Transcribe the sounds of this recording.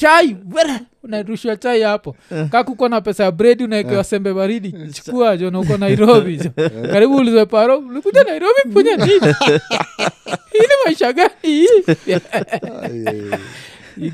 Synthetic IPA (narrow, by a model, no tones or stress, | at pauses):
t͡ʃaiwɛɾa | unaɾuʃiwat͡ʃaiapɔkakukɔnapɛsajabɾɛdiunaɛkɛwasɛmbɛβaɾiɗit͡ʃi̥kuad͡ʒɔnaukɔnaiɾɔbid͡ʒɔkaɾiɓuːlizwɛpaɾɔlikud͡ʒanaiɾɔbifuɲaniɲɔ | hinimaiʃaɡanija